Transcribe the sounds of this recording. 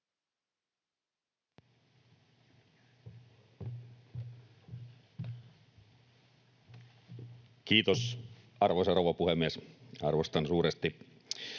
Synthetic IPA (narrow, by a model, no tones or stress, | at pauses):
kiːt̪osɑrʋosɑrowʋɑpuhemːiesɑ̰rʋost̪ɑnsuːɾest̪i